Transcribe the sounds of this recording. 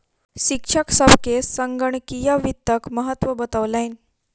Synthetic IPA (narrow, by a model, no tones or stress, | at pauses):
ɕikʂʰaksabkesːəŋɡəɳkijaʋit̪ːəkməɦət̪ʋəbət̪aʋlajn